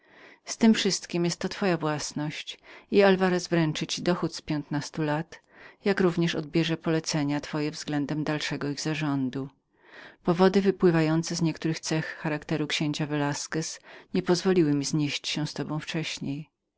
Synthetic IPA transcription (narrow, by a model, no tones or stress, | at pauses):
st̪ɘmfʂɘst̪kʲimjɛst̪ːɔt̪fɔjavwasnɔɕt͡ɕialvaɾɛzvɾɛnt͡ʂɘt͡ɕid̪ɔxut̪spʲjɛnt̪nast̪ulat̪ | jakɾuvɲɛʂɔ̰d̪̚bʲjɛʐɛpɔlɛt̪sɛɲat̪fɔjɛvzɡlɛnd̪ɛmd̪alʂɛɡɔiɣzaʐɔnd̪u | pɔvɔd̪ɘvɘpwɘvajɔnt̪sɛzɲɛkt̪uɾɘxt̪sɛxːaɾakt̪ɛɾukɕẽɲt͡ɕavɛlaskɛsɲɛpɔzvɔlʲiwɘmʲizɲeɕt͡ɕɕɛ̃st̪ɔbɔ̃w̃ft͡ʂɛɕɲej